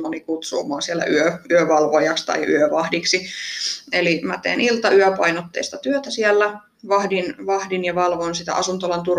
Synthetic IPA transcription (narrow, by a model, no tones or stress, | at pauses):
onikut̪sṵːmoɑˑsielːæ̰ʔyøʔyøʋɑlʋojɑkst̪ɑ̰iʔy̰øʋɑhdiksi | elimæt̪ḛːnilt̪ɑyøpɑinot̪ːḛist̪ɑt̪yøt̪æsielːæ | ʋɑhdinʋɑhdinjɑʋɑlʋonsit̪æ̰ʔɑsunt̪olɑnt̪ur